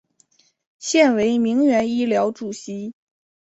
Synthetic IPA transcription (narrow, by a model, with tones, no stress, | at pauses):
ɕjɛ˥˩nwe˧˥ɪmi˧˥ŋɥɛ˧˥ni˥ljɑ˧˥ʊʈ͡ʂu˨˩ɕi˧˥